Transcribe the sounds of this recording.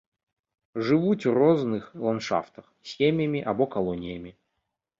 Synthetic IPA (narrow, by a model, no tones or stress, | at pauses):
ʐɨvutʲvroznɨxlˠɐnʂa̰ft̪əxsʲemʲɪjəmʲɪʔɐbokɐlˠonʲɪjəmʲɪ